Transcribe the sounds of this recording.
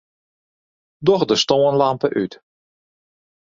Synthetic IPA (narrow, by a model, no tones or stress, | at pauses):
dɔxdəstoːənlampəʔyt